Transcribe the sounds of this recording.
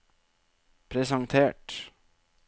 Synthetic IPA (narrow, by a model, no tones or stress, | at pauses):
pʰɾɛsɑŋt̪ʰeːʈ